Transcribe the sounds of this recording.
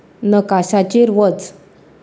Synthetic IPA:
nəkaɕat͡ɕeɾʋət͡s

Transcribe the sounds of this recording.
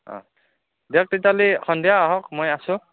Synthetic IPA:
ɔ̰̃ | dak̚titalixʰɔndijaːɦɔkmojasũ

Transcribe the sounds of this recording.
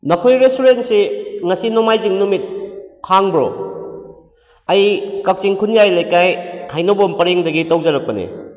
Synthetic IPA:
nɐkʰojɾestuɾentsiŋɐsinomajziŋnumit̚haŋbɾo̰ | ɐjkɐk̚t͡ʃiŋkʰunjajlɐjkajhajnobompɐɾeŋdɐɡitɐwzɐɾɐk̚pɐnḭ

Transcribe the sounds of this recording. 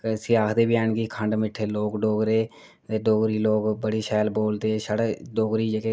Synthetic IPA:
ksɪjaːkʰd̪eːbɪjaːɳɡiːkʰəɳɖmɪʈʰːeːloːkɖoːɡɾeː | t̪eːɖoːɡɾiːloːkbəɽiːʃɛːlboːld̪eːʃəɽeɖoːɡɾiːd͡ʒəkeː

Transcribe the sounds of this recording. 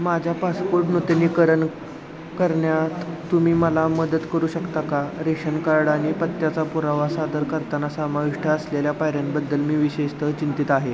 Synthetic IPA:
mad͡ʑʱjapaspoɾʈnut̪niːkəɾən | kəɾɳjat̪ːumiːməlaməd̪ət̪kəɾuːɕəkt̪akaɾeɕənkaɾɽanipət̪jat͡sapuɾaʋasad̪əɾkəɾt̪anasamaʋiʂʈʰəːsleljapaɦɾjambəd̪ːəlmiːʋiɕeʂt̪ət͡ɕint̪it̪aɦe

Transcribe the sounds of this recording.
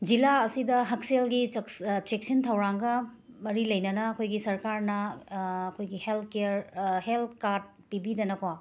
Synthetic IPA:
d͡ʒilaɐsidɐɦɐk̚selɡit͡ʃek̚sintʰɐwɾaŋɡɐ | mɐɾilɐjnɐnɐːkʰojɡisɐɾkaɾnɐɐkʰojɡihelt̪̚ʰkeɾhelt̪̚kaɾd̚pibidɐnɐkʰwa

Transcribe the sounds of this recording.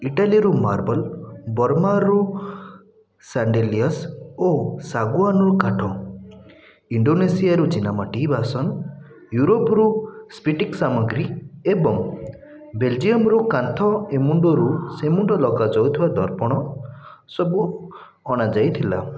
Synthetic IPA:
iʈaliɾumaɾbɔlbɔɾmaɾu | saɳɖeliɔsosaɡuanɾukaʈʰɔ | iɳɖonesijaɾud͡ʒinamaʈiɦːbasɔn | juɾopɾuspiʈiksamɔɡɾiebɔŋ | beld͡ʒijɔmɾukant̪ʰɔemuɳɖɔɾusemuɳɖɔlɔkad͡ʒɔwt̪ʰibad̪ʱɔɾpɔɽ̃ɔ | sɔbu | ɔɽ̃ad͡ʒajt̪ʰila̰

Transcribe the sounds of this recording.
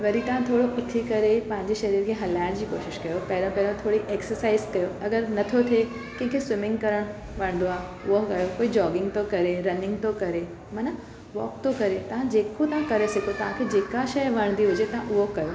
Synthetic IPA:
ʋɐɾit̪ɐʋ̤ãt̪ʰoːɽoʔʊt̪ʰikɐɾepɐ̃ɦɪ̃ɲd͡ʑeʃɐɾiːɾkʰeːɦɐlaːɪɽ̃d͡ʑiːkoːʃɪʃkɐjopɐɦɪɾə̃pɐɦɪɾõt̪ʰoːɽiʔeːksəɾsaːɪzkɐjoɐɡəɾnɐt̪ʰot̪ʰe | kɐ̃ɦɪ̃kʰeswɪmɪ̃ŋɡkɐɾəɽ̃ | ʋɐ̃ɽ̃d̪oaː | ʊɦokɐjokoːid͡ʑɔːɡɪ̃ŋɡ̚t̪okɐɾeɾɐnɪ̃ŋɡ̚t̪okɐɾe | mɐna | ʋɔ̰ːk̚t̪ʰokɐɾet̪ɐʋ̤ãd͡ʑeːkot̪ɐɦãkɐɾesɐkʰot̪ɐʋ̤ãkʰed͡ʑeːkaʃɐjʋɐɽ̃nd̪iɦʊd͡ʑet̪ɐɦãʔʊɦokɐjo

